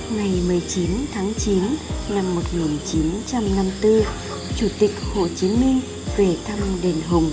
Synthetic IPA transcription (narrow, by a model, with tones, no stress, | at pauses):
ŋa˨˩jm˨˩əjt͡ɕi˨˦nt̪ʰaː˨˦ŋt͡ɕi˨˦nna˧mːo˨˩t̚ŋi˨˩nt͡ɕi˨˦nt͡ɕa˧mna˧mt̪ɨ˧ | t͡ɕu˧˩t̪ï˨˩k̚ho̰˧˨t͡ɕi˨˦mï˧ŋ̟ | ve˨˩t̪ʰa˧mɗe˨˩nɦʊ˨˩ŋ͡m